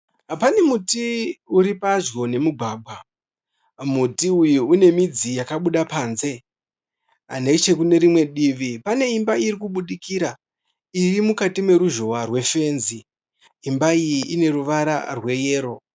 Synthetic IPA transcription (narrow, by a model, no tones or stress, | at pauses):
apane̞mutiuɾipaʒɡo̞ne̞muɡʱaːɡʱwa | mutiujuune̞mid͡zijakaɓuɗapaːnze̞ | a̰ne̞t͡ʃe̞kune̞ɾimwe̞ɗiʋipane̞imbaiɾikuɓuɗikiɾa | irimukatimwe̞ɾuʒo̞warwe̞fe̞ːnziː | mbaijiʔine̞ruʋaɾa̰rwe̞jeːɾo̞